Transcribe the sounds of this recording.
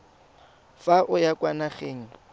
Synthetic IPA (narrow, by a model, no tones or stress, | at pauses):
faʔʊjakʼwanaχeːŋ̩